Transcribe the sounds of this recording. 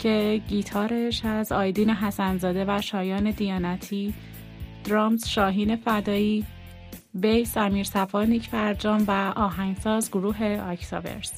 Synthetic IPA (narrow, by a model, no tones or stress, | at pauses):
cʰe̞ɟiːt̪ʰɒːɾeʃæzɒːjd̪iːneɦæsænzɒːd̪e̞væʃɒːjɒːne̞d̪ijɒːnæt̪ʰiː | d̪̥ɾɒːmzʃɒːɦiːne̞fæd̪ɒːiː | bejsæmiːɾsæfɒːnicʰbæɾd͡ʒɒːmvæʔɒːɦæŋsɒːzɡoɾuːɦe̞ɒcʰt̪ʰɒvḛɾs